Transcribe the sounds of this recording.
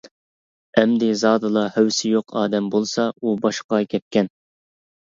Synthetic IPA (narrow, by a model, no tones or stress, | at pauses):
ɛmd̪ɪzɑːd̪ɨlˠɑhøwsɪjoqʰɑ̰ːd̪ɛmbolˠsɑubɑʃqɑkʲʰɛp̪̚kʲɛn